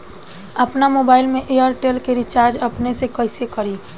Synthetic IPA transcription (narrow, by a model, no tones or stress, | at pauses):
əpnamoːbaːɪlmẽʔejəɾʈelkeɾit͡ʃaːɾd͡ʒəpnesekəɪsekəɾi